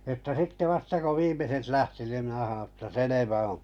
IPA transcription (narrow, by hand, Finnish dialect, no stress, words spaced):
ĕtːæ s̆ĭtːe ʋɑstɑ ko ʋiːmeset læhti nim minæ hɑõː etːæ seleʋæ õː